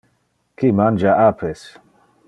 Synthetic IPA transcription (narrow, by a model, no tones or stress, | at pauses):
kimand͡ʒaʔapʰes